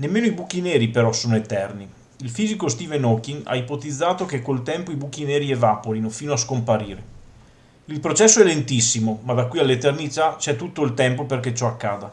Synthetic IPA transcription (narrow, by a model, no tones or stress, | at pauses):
nemːeːnoibuk̟ːineːɾipeɾɔsoːnoet̪ɛrni | ilfiːzikost̪iːvenɔkːiŋa̰ipot̪id̪zːaːt̪okekːolt̪ɛmpoibuk̟ːineːɾievapoɾinofiːnoaskompaɾiːɾe | ilpɾot͡ʃɛsːoɛlːent̪isːimomad̪akwialːet̪ernit̪at͡ʃɛt̪ːut̪ːoilt̪ɛmpoperket͡ʃɔakːaːd̪a